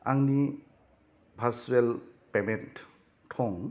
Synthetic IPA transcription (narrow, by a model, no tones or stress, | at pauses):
aŋni | bʱaɾsuelpement | tʰɔŋ